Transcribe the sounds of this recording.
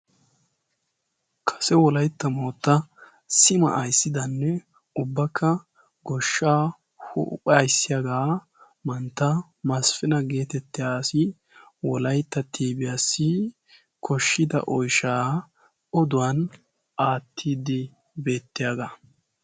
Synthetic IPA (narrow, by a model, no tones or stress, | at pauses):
kʰɐ̥sɛwɔlɐjt̪ːɐmoːt̪ːɐ | sɪmɐ̰ʔɐjsːɪd̪ɐnːɛ | ʊbːɐkʰːɐ | ɡɔʃːaː | hʊ̰pʼɐjsːɪjaɡaː | mɐnt̪ːɐ | mɐsfɪnɐɡe̞ːt̪ɛt̪ːɪjaːsɪ | wɔlɐjt̪ːɐt̪ʰiːbɪjaːsːɪ | kʰɔʃːɪd̪ɐ̰ʔɔjʃaː | ɔd̪ʊwɐn | ʔaːt̪ʰːiːd̪ɪ | be̞ːt̪ːɪjaːɡa